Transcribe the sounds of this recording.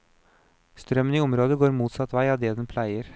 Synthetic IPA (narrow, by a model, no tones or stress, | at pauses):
st̪ɾœməniːʊmɾoːd̪əɡoːɾmuːt̪sɑt̪ʋæɪɑːd̪ɛːd̪ɛnpʰlæɪəɾ